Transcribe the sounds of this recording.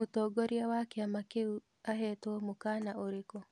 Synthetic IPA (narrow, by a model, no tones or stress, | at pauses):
otoɡoɾiawakeamakeu | aɦɛtɔmokanaoɾeko